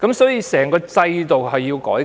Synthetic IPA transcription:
kɐ˨˥msɔː˨˥jiː˧sɛː˨˩ŋkɔː˧t͡sɐ˧jt̪o˨whɐ˨jːiː˧wkɔː˨˥j

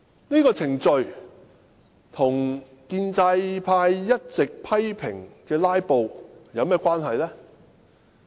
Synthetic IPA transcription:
niː˥kɔː˧t͡sʰɪ˨˩ŋt͡ʃɵ˨ɥ | t̪ʰʊ˨˩ŋ | kiː˧nt͡sɐ˧jpʰaː˧jːɐ˥t̚t͡sɪ˨k̚pʰɐ˥jpʰɪ˨˩ŋkɛː˧laː˥jpo˨wjɐ˨˧wmɛː˥˩kʷaː˥nɦɐ˨jlɛː˥

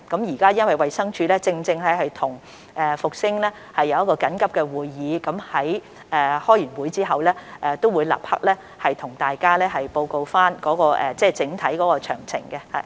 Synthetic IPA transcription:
kɐ˨˥mjiː˨˩kaː˥jɐ˥nwɐ˨jwɐ˨jsɐ˥ŋt͡ʃʰyː˨˧lɛː˥t͡sɪ˧ŋt͡sɪ˧ŋlɛ˥hɐ˨jt̪ʰʊ˨˩ŋ | ʔɛː˨fʊ˨k̚sɪ˥ŋlɛ˥ | hɐ˨jːɐ˨˧wjɐ˥kɔː˧kɐ˨˥nkɐ˥p̚kɛ˧wuː˨jːiː˨˧kɐ˨˥mhɐ˨˥j | ʔɛː˨˩hɔː˥jyː˨˩nwuː˨˧˥jt͡siː˥ɦɐ˨wlɛː˥ʔɛː˨t̪o˥wuː˨˧jla̰ː˨˩p̚hɐ̰˥k̚lɛː˥ | hɐ˨jt̪ʰʊ˨˩ŋt̪aː˨jkaː˥lɛː˥ɦɐ˨jpo˧wko˧wfaː˥nkɔː˨˥kɔː˧ʔɛ̰ː˨˩t͡sɛː˥˧t͡sɪ˨˥ŋt̪ʰɐ˨˥jkɔː˨˥kɔː˧t͡ʃʰœ̰ː˨˩ŋt͡sʰɪ̰˨˩ŋkɛ˧hɐ̰˨

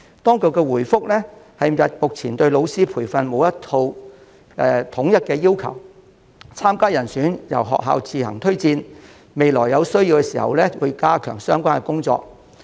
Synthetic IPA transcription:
t̪ɔː˥ŋkɵ˧wkɛː˧wuː˨˩jfʊ˥k̚lɛː˥hɐ˨jjɐ˨t̚mʊ˨k̚t͡sʰiː˨˩nt̪ɵ˧ɥlo˨˧wsiː˥pʰuː˨˩jfɐ˨nmo˨˧wjɐ˥t̪ʰo˧w | ɛ˨˧t̪ʰʊ˨˥ŋjɐ˥t̚kɛː˧jiː˥wkʰɐ˨˩w | t͡sʰaː˥mkaː˥jɐ˨˩nsyː˨˥njɐ̰˨˩wɦɔ̰ː˨k̚ɦa̰ː˨˧wt͡siː˨˧hɐ̰˨˩ŋt̪ʰɵ˥ɥt͡siː˧n | me˨jlɔː˨˩jːɐ˨˧wsɵ˥ɥji˧wkɛ˧siː˨˩hɐ̰˨wlɛː˥wṵː˨˧jkaː˥kʰœ̰ː˨˩ŋsœː˥ŋkʷaː˥nkɛ˧kʊ˥ŋt͡sɔ̰ː˧˨k̚

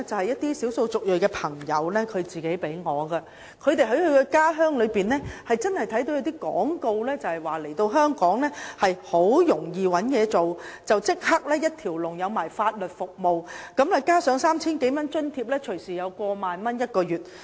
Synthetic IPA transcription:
t͡sɐ˨˩whɐ˨jɐ˥t̚t̪iː˥siː˨˥wso˧wt͡sʊ˨k̚jɵ˨˩kɛː˧pʰɐ˨˩ŋjɐ˨˧wlɛː˥kʰɵ˨˧ɥt͡siː˨ke˨˥jpe˨˥jŋɔː˨˧ɡɐ˧ | kʰɵ˨˧ɥt̪e˨jɦɐ˨˥jhɵ˨˧ɥkɛ˧kaː˥ɦœː˥ŋlɵ˨˧ɥpiː˨nɛː˥hɐ˨jt͡sɐ˥nhɐ˨jt̪ʰɐ˨˥jt̪o˧wjɐ˨˧wt̪iː˥kɔ̰ː˨˥ŋko˧wlɛː˥t͡sɐ˨whɐ˨˩jwaː˨˩le˨˩jt̪o˧wɦœː˥ŋkɔː˨˥ŋlɛː˥hɐ˨jho˨˥wjʊ˨˩ŋjiː˨wɐ˨˥njɛː˨˧t͡so˨wt͡sɐ˨wt͡sɪ˥k̚hɐ˥k̚lɛː˥jɐ˥t̚t̪ʰiː˨˩wlʊ˨ŋjɐ˨˧wmaː˨˩jfaː˧t̚lɵ˨t̚fʊ˨k̚mo˨wkɐ˨˥mlɛː˨˧kaː˥sœː˨˧ŋsaː˥mt͡sʰiː˥nke˨˥jmɐ˥nt͡ʃɵ˥nt̪ʰiː˧p̚lɛː˥t͡ʃʰɵ˨˩siː˨˩jɐ˨˧wkʷɔː˧maː˨nmɐ˥njɐ˥t̚kɔː˧jyː˨˩t̚

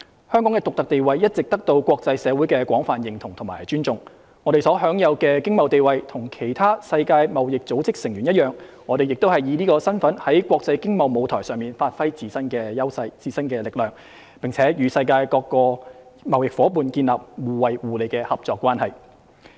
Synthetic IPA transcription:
hœ˥ŋkɔ˨˥ŋkɛː˧t̪ʊ˨k̚t̪ɐ˨k̚t̪e˨jwɐ˨jjɐ˥t̚t͡sɪ˨k̚t̪ɐ˥k̚t̪o˧wkʷɔː˧k̚t͡sɐ˧jsɛː˨˧wuː˨˥jkɛː˧kʷwɔː˨˥ŋfaː˨njɪ˨˩ŋt̪ʰʊ˨˩ŋt̪ʰʊ˨˩ŋmaː˨˩jt͡ʃyː˥nt͡sʊ˨ŋ | ŋɔː˨˧ɾe˨˩sɔː˨˥ɦœː˨˥ŋjɐ˨˧wkɛː˧kɪ˥ŋmɐ˨˧wt̪e˨jwɐ˨jt̪ʰʊ˨˩ŋkʰe˨˩jt̪ʰaː˥sɐ˧jkaː˧jmɐ˨wjɪ˨k̚t͡so˨˥wt͡sɪ˥k̚sɪ˨˩ŋjyː˨˩njɐ˥t̚jœː˨ŋ | ŋɔː˨˧ɾe˨jɪ˨k̚t̪o˥hɐ˨jiː˨˧liː˥kɔː˧sɐ˥nfɐ˨˥nhɐ˨˥jkʷɔː˧k̚t͡sɐ˧jkɪ˥ŋmɐ˨˧wmo˨˧wt̪ʰɔ̰ː˨˩jsœː˨ŋmiː˨nfaː˧t̚fɐ˥jt͡siː˧sɐ˥nkɛː˧jɐ˥wsɐ˧jt͡siː˧sɐ˥nkɛː˧lɪ˨k̚lœː˨ŋ | pɪ˨˩ŋt͡sʰɛː˨˥jyː˨˧sɐ˧jkaː˧jkɔː˧kːɔː˧mɐ˨˩wjɪ˨k̚fɔː˨˥puː˨nkiː˧nlaː˨p̚wuː˨˩wɐ˨˩jwuː˨˩le˨˧jkɛː˧hɐ˨p̚t͡sɔː˧kʷːwaː˥nhɐ˨˩j

